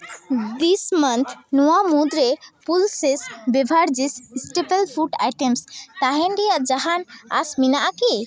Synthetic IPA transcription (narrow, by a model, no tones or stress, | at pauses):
d̪ismənt̪ʰnuwamud̪ɾepulsesbebʱaɽd͡ʒissʈepelpʰuʈa̰jʈemst̪aɦɛnɖijad͡ʒaɦana̰sminaʔaki